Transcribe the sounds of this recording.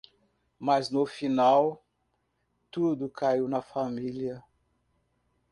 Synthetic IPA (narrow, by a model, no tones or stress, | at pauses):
mɐznʊfinaw | t̪ud̪ʊkʰaiwnɐfamiliɐ